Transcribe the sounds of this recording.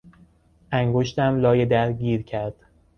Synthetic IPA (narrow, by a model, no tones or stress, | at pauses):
ʔæŋɡoʃt̪æmlɒːjed̪æɾɟiːɾcʰæɾd̪̥